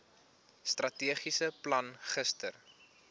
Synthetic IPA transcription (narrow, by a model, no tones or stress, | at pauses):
strɐtiəχisəplɐnχəstə̰r